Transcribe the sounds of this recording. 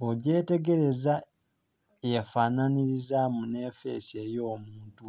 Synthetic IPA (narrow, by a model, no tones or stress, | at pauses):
oɟe̞ːte̞ɡe̞ɾe̞za | efananiɾizamune̞ːfe̞̰se̞ːjo̞ːmuːntu